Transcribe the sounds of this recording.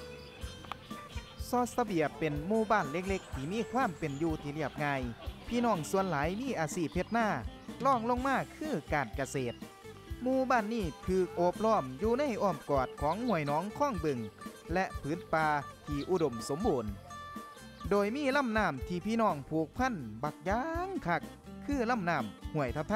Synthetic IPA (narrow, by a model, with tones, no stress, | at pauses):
sɔː˧˥sa˧bi˨˩əpːe˨˩nmuː˧baː˧˥˩nle˧˥k̚le˧˥k̚t̪ʰiː˧˩miː˧˥˨kʰwaː˧˥˨mpe˨˩njuː˧t̪ʰiː˧˦li˧˩ɐəp̚ŋaː˧jpʰiː˧˥˨nɔː˧˩ŋsu˧ənlaː˨˦jmiː˧˥˨ʔaː˨˩siː˧˩p̚he˧t̪̚naː˧˥˩lɔː˧˥˩ŋlo˧˨ŋmaː˧˥˨kʰɯː˧˥˩kaː˨˩nka˧seː˨˩t̪̚ | muː˧baː˧˥˩nːiː˧˥˩t̪ʰɯː˧˩k̚ʔoː˧˦p̚lɔː˧˥˩mjuː˧na˧˥˨jʔɔː˧˩mkɔː˨˩t̪̚kʰɔː˨˦ŋhu˧˩əjnɔː˨˦ŋkʰɔː˧˥˨ŋbɯ˧˨ŋ | lɛ˧ʔpʰɯː˨˦npaː˧t̪ʰiː˧ʔu˧do˨˩mso˨˧˦mbuː˨˩n | doː˨˩jmiː˧˥˨la˧˥˨mnaː˧˩mt̪ʰiː˧˩pʰiː˧˥˨nɔː˧˩ŋpʰuː˨˧˩k̚pʰa˧˥˨nba˧˩k̚jaː˧˦ŋkʰa˧˩k̚ʰː | ɯː˧˥˩la˧˥˨mnaː˧˥˩mhu˨˩əjt̪ʰa˧˩t̪ʰa˧˨